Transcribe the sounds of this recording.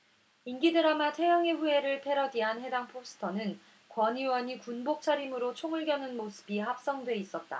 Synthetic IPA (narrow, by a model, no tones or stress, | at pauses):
inɡidɯɾamatʰe̞jʌŋeɸue̞ɾɯɭpʰe̞ɾʌdiɦanɦe̞daŋpʰos͈ʰɯ̥tʰʌnɯn | kwʌɲiwʌɲikunbok̚t͡ɕʰaɾimɯɾot͡ɕʰoŋɯɭɡjʌnɯnmosʰɯ̥biɦap̚s͈ʌŋdwe̞is͈ʌt̚t͈a̰